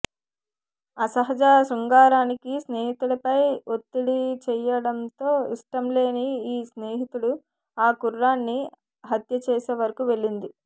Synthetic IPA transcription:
ɐsɐɦɐd͡ʒaːsɾuŋɡaːɾaːnikisneːɦit̪uɭɐpɐjot̪ːiɽit͡ʃɛjɐɽɐnt̪o̞ːiʂʈɐmle̞ːniiːsneːɦit̪uɽu | aːkurːaːnːi | ɦɐt̪jɐt͡ʃɛːseːʋɐɾɐkuʋe̞ɭːind̪i

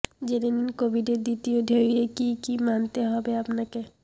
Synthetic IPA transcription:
d͡ʒeɾeninkobʱiɖed̪it̪iod̪ʱeɾiekikimant̪eɦɔbeəpnake

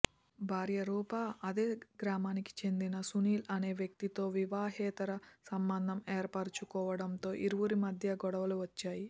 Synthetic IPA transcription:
bʱaːɾjɐɾuːpaɐd̪e̞ːɡɾaːmaːniki̥t͡ʃe̞nd̪inɐsuniːlɐne̞ːʋjɐk̚t̪it̪o̞ːʋiʋaːɦɛːt̪ɐɾɐsɐmbɐnd̪ʱɐmeːɾpaːɾt͡ʃukɔːʋɐɽɐmt̪o̞ːʔiɾuʋuɾimɐd̪ʱjɐɡɔɽɐʋɐluʋɐt͡ʃːaːji

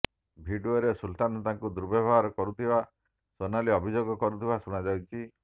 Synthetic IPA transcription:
bʱiɖuoɾesult̪anɔt̪aŋkud̪uɾbɔbʱaɦɔɾɔkɔɾut̪ʰiba | sonaliɔbʱid͡ʒoɡɔkɔɾut̪ʰibasuɽ̃ad͡ʒawt͡ʃʰi

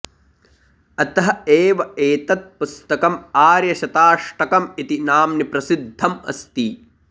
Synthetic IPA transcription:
ɐt̪ɐɦɐeːʋɐeːt̪ɐt̪̚pust̪ɐkɐmaːɾjɐʃɐt̪aːʂʈɐkɐmit̪inaːmnipɾɐsid̪ʱːɐmɐ̰st̪i

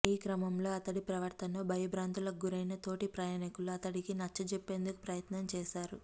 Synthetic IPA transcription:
iːkɾɐmɐmlo̞ːɐt̪ɐɽipɾɐʋɐɾt̪ʰɐnːoːbʱɐjɐbʱɾaːnt̪ulɐɡuɾɐjnɐt̪o̞ːʈipɾɐjaːnikuluɐt̪ɐɽikinɐt͡ʃːɐt͡ʃepːe̞ːnd̪uku̥pɾɐjɐt̪nɐmt͡ʃɛːʃaːɾu

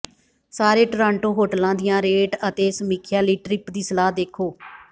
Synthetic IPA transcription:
saːɾeːʈɾãːɳʈoːɦoːʈlãːd̪ɪjãːɾeːʈət̪eːsəmiːkʰjaːliːʈɾɪpd̪iːsəlaːd̪eːkʰoː

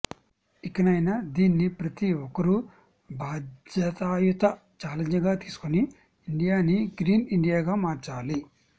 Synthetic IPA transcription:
ikːɐnɐjnad̪iːnːipɾɐt̪iɔkɐɾu | bʱaːd͡ʒjɐt̪aːjut̪ɐ | t͡ʃaːlɐɲd͡ʒɐɡaːt̪iːsu̥koni | iɳɖijaːniɡɾiːniɳɖijaːɡaːmaːɾt͡ʃaːli

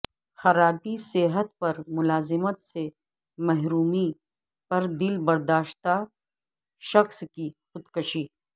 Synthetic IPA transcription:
xɐɾaːbiseːɦət̪pɐɾmʊlaːzɪmət̪se | mɛɦɾuːmi | pɐɾd̪ɪlbɐɾd̪aːʃt̪a | ʃɐxskixʊd̪kɐʃiː

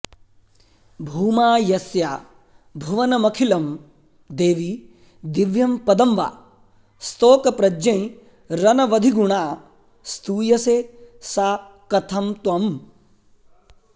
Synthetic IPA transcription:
bʱuːmaːjɐsjaː | bʱuʋɐnɐmɐkʰilɐm | d̪eːʋi | d̪iʋjɐmpɐd̪ɐmʋa̰ː | st̪oːkɐpɾɐd͡ʒɐ̃j̃ | ɾɐnɐʋɐd̪ʱiɡuɳaː | st̪uːjɐseːsaː | kɐt̪ʰɐmt̪wɐm

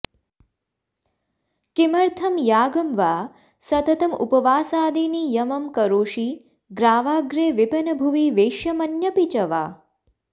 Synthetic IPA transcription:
kimɐɾt̪ʰɐmjaːɡɐmʋaː | sɐt̪ɐt̪ɐmṵpɐʋaːsaːd̪iːnijɐmɐmkɐɾoːʃiː | ɡɾaːʋaːɡɾeːʋipɐnɐbʱuʋiʋeːʃjɐmɐnjɐpit͡ʃɐʋaː

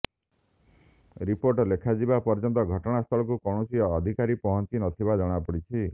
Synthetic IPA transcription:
ɾipoɾʈɔlekʰad͡ʒibapɔɾd͡ʒɔnt̪ɔɡʱɔʈɔɽ̃ast̪ʰɔɭɔkukɔɽ̃ɔsiɔːd̪ʱikaɾipɔɦɔnt͡ʃinɔt̪ʰibad͡ʒɔɽ̃apɔɽit͡ʃʰi

